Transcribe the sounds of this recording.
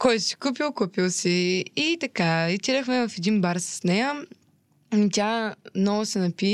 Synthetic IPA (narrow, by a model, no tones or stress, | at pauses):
kɔjsi̥kup̬ilˠkupilˠsiːt̪ɐkait̪iɾəxmɛvɐfɛd̪inbaɾsɐ̥snɛjə | it̪ʲamnɔɡʊsɛnɐpi